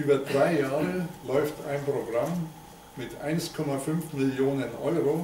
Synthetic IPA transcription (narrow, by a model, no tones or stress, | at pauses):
ʔyːbɐdʁaɪjaːʁəlɔʏftʰa̰ɪnpʁ̥oɡʁamː | ɪtʰʔaɪnskʰɔmafʏnfmɪljoːnənʔɔʏʁo